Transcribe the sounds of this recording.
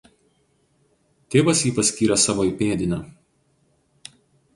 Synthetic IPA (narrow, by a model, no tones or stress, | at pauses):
t̪ʲeːʋɐsjiːpɐsʲkʲiːɾʲɛsɑːʋoːiˑpʲeːd̪ʲɪnʲɐ